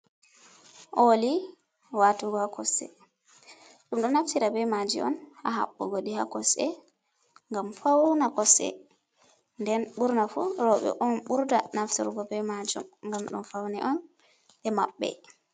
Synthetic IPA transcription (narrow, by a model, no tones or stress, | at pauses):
ʔoli | watuɡɔhakɔsɛ̰ | ɗumɗɔnaftiɾabɛmad͡ʒiʔɔ̰nha̰ɦa̰ɓːuɡoɗihakɔsɛ | ŋɡamfawnakɔsɛ̰ | ndɛnɓuɾnafuɾɔɓɛ̰ʔɔnɓuɾda̰naftḭɾɡɔbɛmad͡ʒɔ̰mŋɡamɗṵnfawnɛʔɔn | ɗɛmaɓːɛ̰